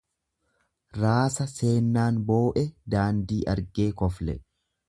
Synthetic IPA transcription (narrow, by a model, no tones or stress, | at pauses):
ɾaːsɐse̞ːnːaːnbo̞ːʔɛd̪aːnd̪iːʔɐɾɡe̞ːkɔflɛ̰